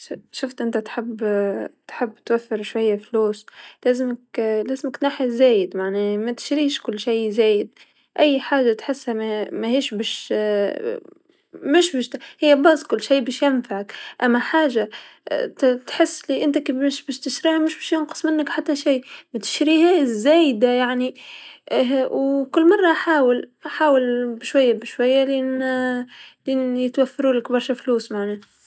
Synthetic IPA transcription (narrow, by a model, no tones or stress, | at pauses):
ʃʊft̪ʔɪnt̪at̪ħɪbːt̪ħɪbːt̪wafːɪɾʃwajːafluːslæːzɪmɪklæːzɪmɪk̪naːħizæːjɪd̪maʕnimæt̪ɪ̥ʃɾiːʃkʊlːʃajzæːjɪd̪̚ | ʔæjːħaːʒːat̪ħɪsːhammæhiːʃbæːʃ | mɪʃbæʃt̪hɪjːabɑzˤkʊlːʃiːbæːʃjɪnfaʕakʔæmːæħaːʒa | t̪ħɪsːliʔɪnt̪akbɪʃbæːʃt̪ɪʃɾiːʕamʊʃbæːʃjʊnqə̥sˤmɪnːəkħat̪ːæʃiːmæt̪ɪ̥ʃɾiːhazːæːjd̪ajaʕni | wkʊlːmɑrˤːɑʔħaːwɪlʔaħaːwɪlbʃwæjːabɪʃwæjːaliʔn | liʔnjɪt̪wafːɪɾuːlɪkbɑɾˤʃafluːsmaʕnæː